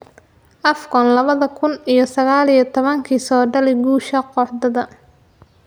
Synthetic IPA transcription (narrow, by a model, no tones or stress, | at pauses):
ʔɐfkɔnlɐβɐðɐkʰʊnijɞsɐɣaːlijɞt̪ʰɔβɐŋkʰiːsɔːɖɐlɪɡuːʃɐqɔħd̪ɐðɐ